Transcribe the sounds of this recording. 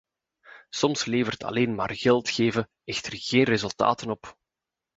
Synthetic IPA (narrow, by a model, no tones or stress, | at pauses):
sɔmsleːvərtʰɑ̰leːnma̰ːrɣɛlˠtxeːvə | ɛxtərɣeːnrezɵlˠta̰ːtənɔp